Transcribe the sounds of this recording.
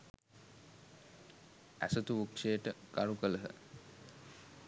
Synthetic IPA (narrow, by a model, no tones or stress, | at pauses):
æ̰sət̪uʋukʂejəʈəɡaɾukələɦə̰